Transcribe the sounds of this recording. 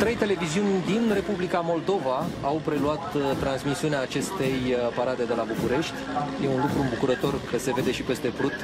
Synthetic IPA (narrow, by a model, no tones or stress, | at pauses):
t̪ɾe̞jt̪e̞le̞viziunʲd̪inre̞publikamo̞ld̪o̞vaawpɾe̞luat̪t̪ːɾansmisiuneaːt͡ʃe̞st̪e̞jpaɾad̪e̞d̪e̞labukuɾe̞ʃt̪ʲje̞unlukɾuɨmbukuɾət̪o̞rkəse̞ve̞d̪e̞ʃipe̞st̪e̞pɾut̪